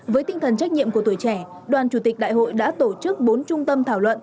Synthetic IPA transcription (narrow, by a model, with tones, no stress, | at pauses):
vəː˨˦jt̪ï˧ŋ̟t̪ʰə˨˩nt͡ɕa˦˥k̟̚ɲḭ˧˨əmku˧˩ət̪u˧˩jt͡ɕɛ˧˩ | ɗwaː˨˩nt͡ɕu˧˩t̪ï˨˩k̟̚ɗa̰ː˧˨jɦo̰˧˨jɗa̰ː˧˥t̪o˧˩t͡ɕɨ˦˥ək̚ɓo˨˦nt͡ɕʊ˧ŋ͡mt̪ə˧mt̪ʰaː˧˩wlwə̰˧˨n